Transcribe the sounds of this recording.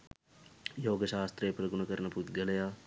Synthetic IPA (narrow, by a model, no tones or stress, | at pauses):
joːɡəʃaːst̪ɾeːpɾɐɡʊnɐkɐɾnɐput̪ɡɐlejaː